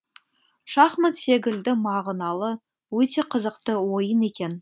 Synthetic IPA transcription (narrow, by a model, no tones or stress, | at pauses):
ʃɑχmət̪se̞ɡʲɪld̪ɪmɑʁnɑlˠə | wɵt̪e̞qʰəzəqt̪əwo̞jəne̞kʲe̞n